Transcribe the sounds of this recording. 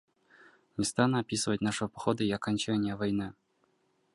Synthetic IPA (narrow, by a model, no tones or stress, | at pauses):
nʲɪst̪anəɐpʲisɨvətʲnaʂɨvəpɐxod̪əiakanʲt͡ɕanʲɪjəvajnɨ